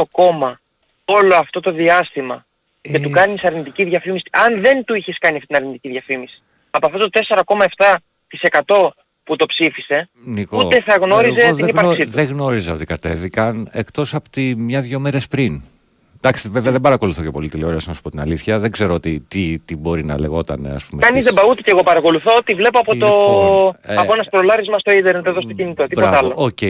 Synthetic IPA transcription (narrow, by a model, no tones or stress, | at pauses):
o̞ko̞mɐ | o̞lo̞ɐft̪o̞t̪o̞ðiɐst̪imɐ | ce̞t̪ukɐnisɐɾnit̪iciðʝɐfimisi̥ʔɐnðe̞nt̪uiçe̞skɐniɐft̪it̪inɐɾnit̪iciðʝɐfimisi̥ | ɐpoɐft̪ot̪ot̪e̞se̞ɾɐko̞mɐe̞ft̪ɐ | t̪ise̞kɐt̪o̞ | put̪o̞psifise̞ | nikoueθɐɣno̞ɾizeipɐsiðeɣno̞ɾizeo̞̰t̪ikɐt̪e̞vikɐne̞̰kt̪o̞sɐpot̪imɲɐðʝo̞me̞ɾespɾin | d̪̥ɐksiveveɐðebɐɾɐkoluθo̞ce̞po̞lit̪iloɾɐsɐmɐspo̞t̪inɐliθçɐðeɡze̞ɾoot̪it̪it̪ibo̞ɾinɐ̰le̞ɣo̞t̪ɐ̰ne̞̰ɐ̰spumeɐnizzðebɐut̪eceɣo̞pɐɾɐko̞luθo̞ot̪ivle̞poɐpo̞t̪o̞ | ɐoenɐst̪ɾolɐɾizmɐst̪o̞id̪eɾnðeðo̞st̪ocinit̪o̞t̪ip̪ɐllooce